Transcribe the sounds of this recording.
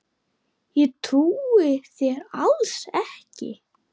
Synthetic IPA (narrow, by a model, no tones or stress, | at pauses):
jɛt̪ʰuːɪθjɛɾalsɛhcɪ̰